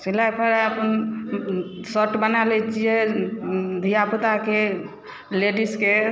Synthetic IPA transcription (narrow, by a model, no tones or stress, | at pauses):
silajpʰəɾaəpən | səʈbənalɛt͡ʃʰie | d̪ʱijaput̪ake | leɖiske